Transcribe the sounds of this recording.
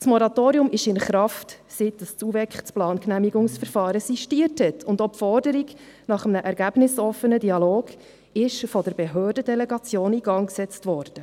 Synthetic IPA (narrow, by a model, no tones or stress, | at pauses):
smɔɾɑtoːɾiʊmɪʃɪnχɾɑft | sɪtəst͡suvɛkχt͡splɑːnknæmiɡʊŋsfəɾfɑːɾəsiʃtiəɾthɛtʰʊndɔpfɔrdəɾiɡ | nɑχəmnəʔɛɾɡæb̥nɪsɔfːənədiɑloːɡ̥ | ɪʃfɔdəɾbeɦøːɾdədɛlɛɡɑt͡sjoːniɡɑŋksɛt͡stvɔːɾd̥ə